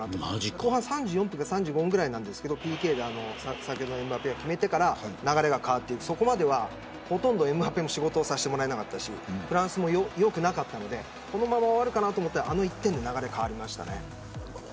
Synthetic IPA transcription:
t̪akkoːhãsãɲ̟d͡ʑɨːjompɯ̟ŋkasãɲd͡ʑɨːɡoɯ̃ŋɡɯɾainãnd̪e̞sɨ̥ke̞d̪opʲike̞ːd̪eano̞sasakʲjod̪one̞mɯ̟apeɡakʲime̞t̪e̞kaɾanaɡaɾe̞ɡakaβat̪ːe̞ikɯ̥so̞ko̞mad̪e̞βa | ho̞t̪õ̞nd̪o̞e̞mɯ̟apemo̞ɕiɡo̞t̪o̞ːsaɕi̥t̪e̞mo̞ɾae̞nakat̪ːaɕḭɸɯ̟ɾãɰ̃sɨmo̞jojo̞kɯ̟nakat̪ːano̞d̪e̞ | ko̞no̞mãmːaββaɾɯ̟kanat̪oːmot̪ːaʔano̞it̪ːend̪e̞naɡaɾe̞kaβaɾʲimaɕi̥t̪a̰ne̞̰

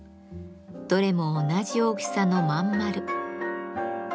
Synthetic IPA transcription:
d̪̥o̞ɾe̞mo̞ːnaʑiokʲi̥sano̞mãmːaɾɯ̟

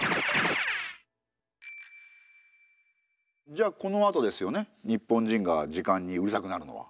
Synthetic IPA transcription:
d͡ʑaːko̞no̞at̪od̪e̞sɨjo̞ne̞ɲ̟ipːõ̞ɲ̟d͡ʑĩŋɡad͡ʑikãɲ̟ːiɯɾɯ̟sakɯ̟naɾɯ̟no̞̰βa̰

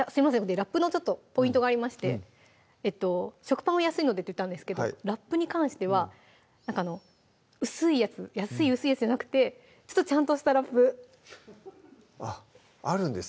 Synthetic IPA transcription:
jasɨɾʲimasẽŋkod̪eɾapːɯno̞t͡ɕo̞t̪ːo̞po̞ĩnt̪oɡaːɾʲimaɕi̥t̪e̞̰ | et̪ːo̞ɕo̞kɯ̟̥pãɰ̃ojasɨino̞d̪e̞t̪ːojɯ̟t̪ːãnd̪esɨ̥ke̞d̪oɾapːɯ̟ɲ̟ikãɰ̃ɕi̥t̪e̞β̞a | nãŋkano̞ | ɯ̟sɨijat͡sɨjasɨiɯ̟sɨijat͡sɨd͡ʑanakɯ̟̥t̪e̞ | t͡ɕo̞̥t̪ːo̞t͡ɕãnt̪oɕi̥t̪aɾapːɯ̟ | a | aɾɯ̟̃nd̪es

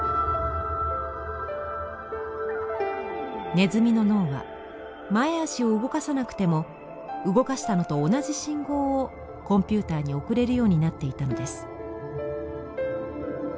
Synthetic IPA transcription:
ne̞zɨmʲino̞no̞ːβa̰ | mae̞aɕio̞ɯ̟ɡo̞kasanakɯ̟̥t̪e̞mo̞ | ɯ̟ɡo̞kaɕi̥t̪ano̞t̪o̞ːnaʑiɕĩŋɡo̞ː | kõ̞mpʲɨːt̪aːɲ̟io̞kɯ̟ɾe̞ɾɯ̟jo̞ːɲ̟inat̪ːe̞it̪ano̞d̪e̞sɨ̥

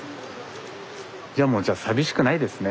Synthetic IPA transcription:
d͡ʑaːmo̞ːd͡ʑaːsabʲiɕi̥kɯ̟naid̪e̞sɨne

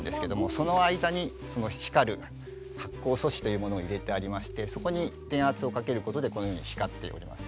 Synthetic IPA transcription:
nd̪e̞sɨ̥ke̞d̪o̞mo̞so̞no̞aid̪aɲ̟i | so̞no̞çi̥kaɾɯ̟ | hakːo̞ːso̞ɕi̥t̪o̞jɯ̟ːmo̞noːiɾe̞t̪e̞aɾʲimaɕi̥t̪e̞so̞ko̞ɲ̟it̪ẽ̞ɰ̃at͡sɨo̞kake̞ɾɯ̟ko̞t̪o̞d̪e̞ko̞nojo̞ːɲiɕi̥kat̪ːe̞̰oɾʲḭma̰sɨ̥

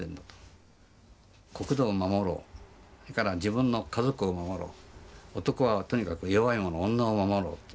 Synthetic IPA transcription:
ẽnd̪at̪o̥ | ko̞kɯ̟d̪oːmamo̞ɾo̰ːsɾekaɾad͡ʑibɯ̟̃nːo̞kazo̞kɯ̟omamo̞ɾo̞̰ːot̪o̞ko̞βat̪o̞ɲ̟ikakɯ̟joβaimo̞noõnːaomamo̞ɾo̰ːt̪ːe

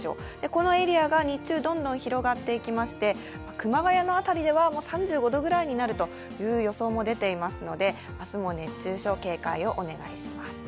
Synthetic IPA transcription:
ɕo̞̰ː | d̪̥e̞ko̞no̞e̞ɾʲiaɡaɲ̟it͡ɕɨːd̪õ̞nd̪õ̞ɰ̃çiɾo̞ɡat̪ːe̞ikʲimaɕi̥t̪e̞ | makɯ̟maɡajano̞at̪aɾʲid̪e̞βamo̞ːsãɲ̟d͡ʑɨːɡo̞d̪o̞ɡɯ̟ɾaiɲ̟inaɾɯ̟t̪o̞ | jɯ̟ːjo̞so̞ːmo̞d̪e̞t̪e̞imasɨno̞d̪e̞ | asɨmo̞ne̞t͡ɕːɨːɕo̞ke̞ːkaio̞ʔone̞ɡa̰iɕimasɨ̥

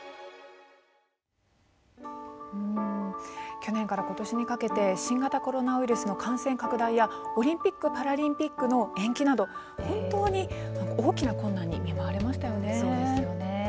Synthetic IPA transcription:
ɯ̟̃ | kʲo̞nẽ̞ŋkaɾako̞t̪o̞ɕiɲ̟ikake̞t̪e̞ɕĩŋɡat̪ako̞ɾo̞naɯ̟iɾɯ̟sɨno̞kʰãɰ̃sẽ̞ŋkakɯ̟d̪aijao̞ɾʲĩmpʲikːɯ̟paɾaɾʲĩmpʲikːɯno̞ẽ̞ŋkʲinad̪o̞ | hõ̞nt̪o̞ːɲ̟inãŋkao̞ːkʲinakõnːãɲ̟ːḭmʲimaβaɾe̞maɕi̥t̪ajo̞ne̞

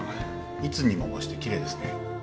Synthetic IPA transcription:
it͡sɨɲ̟imomoɕi̥t̪ekʲiɾe̞ːd̪esɨ̥ne

